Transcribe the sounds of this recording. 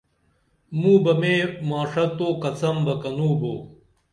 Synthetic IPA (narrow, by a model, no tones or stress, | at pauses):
mũːbɐmeːmaːʂɐt̪oːkɐt͡sɐmbɐkɐnuːboː